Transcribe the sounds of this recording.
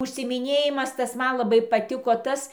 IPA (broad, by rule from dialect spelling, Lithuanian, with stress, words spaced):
ʊʃʲsʲɪɪmʲɪˈnʲeːjɪmɐs ˈtɐs ˈmɐn lˠɐˈbɐɪ pɐˈtʲɪkoː ˈtɐs